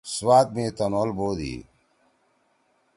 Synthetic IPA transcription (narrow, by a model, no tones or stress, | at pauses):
swaːt̪̚mẽːt̪ɐnolboːd̪ḭː